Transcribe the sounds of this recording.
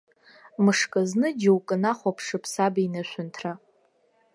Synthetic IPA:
mɨʂkʼaznɨd͡ʒɪwkʼɨnaχʷapʰʂɨpʰsabinaʃʷʊntʰra

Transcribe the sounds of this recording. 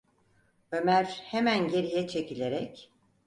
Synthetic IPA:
ø̞mæɾhemænɟe̞ɾijɛt͡ʃʰe̞cilʲe̞ɾɛc

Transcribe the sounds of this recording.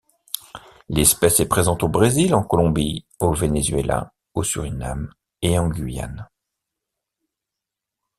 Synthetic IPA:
lɛspɛsɛpχezɑ̃t̪obʁezilɑ̃kɔlɔ̃bi | ovenezɥḛlʔa̰ | osy̰ʁinam | eɑ̃ɡʲɥija̰n

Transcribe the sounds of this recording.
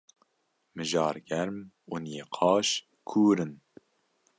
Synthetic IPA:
mɨʒɑːɾɡɛɾm | unjeːqʰɑːʃ | kʰuːɾɨn

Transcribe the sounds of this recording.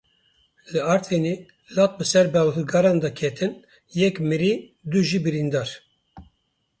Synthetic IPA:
lɨɑɾt̪ʰeneː | lɑːt̪̚bɨsɛɾbɛlɦɨɡɑːɾɑːnd̪ɑkʰɛt̪ʰɨn | jɛkmɨɾiːd̪uʒiːbɨɾind̪ɑːɾ

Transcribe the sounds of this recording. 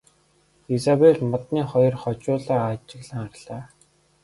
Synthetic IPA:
esaweɮmɔt̪niːχɔjɞ̆rχɔt͡ɕʊːɮaːat͡ɕɪ̆ɣɮə̆ŋarɮ̥aː

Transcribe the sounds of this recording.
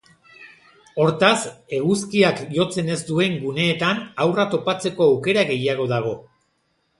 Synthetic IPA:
o̞ɾt̪ase̞ɣuskiakʝo̞t͡se̞ne̞zd̪ue̞ŋɡune̞ːt̪anawrat̪o̞pat͡se̞ko̞awke̞ɾaɣe̞jaɣ̞o̞ðaɣ̞o̞

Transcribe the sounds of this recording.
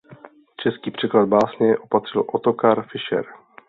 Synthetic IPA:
t͡ʃɛskiːpr̝̥ɛklad̪̚baːsɲɛɛʔopat̪r̝̥ɪlʔot̪okaɾfɪʃɛ̰ɾ

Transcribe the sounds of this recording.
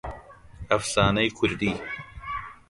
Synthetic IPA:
ɐfsaːnɐjkʰuɾd̪iː

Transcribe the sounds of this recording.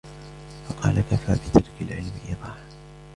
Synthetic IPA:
fɑqɑ̰ːlakafa̰ːbɪt̪ʰɑɾˤkalʕɪlmʔɪðˤɑːħ

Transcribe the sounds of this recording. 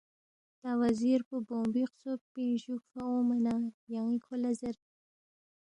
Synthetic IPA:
t̪awaziɾpuboːmbiqsopinɕukfaomanajaŋikʰolazɐɾ

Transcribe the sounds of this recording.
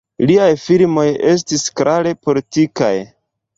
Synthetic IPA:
liajfilmo̞je̞s̬tiskɾaɾe̞po̞litika̰j

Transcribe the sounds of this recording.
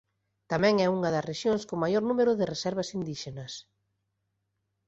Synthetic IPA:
t̪amɛ̃ŋɛuŋɐðɐsreʃjoŋskomajoɾnũmeɾʊðɪresɛɾβɐsind̪iʃenɐs

